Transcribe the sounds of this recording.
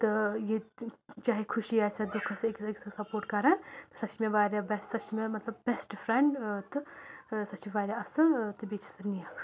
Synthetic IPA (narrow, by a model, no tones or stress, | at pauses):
t̪ɨjet͡ʃaːɦikʰʊʃiaːsɐd̪ʊkʰɐsɐekseksɐsɐpoːɾʈkɐɾãt̪ɨ̥sɐt͡ʃmẽʋaːɾjabɐssɐt͡ʃʰmẽmɐt̪lɐbbɛsʈfʰɾɛɳɖt̪ɨsɐt͡ʃiʋaːɾʲjaɐsɨlt̪ɨbiːt͡ʃʰsɐnijakʰ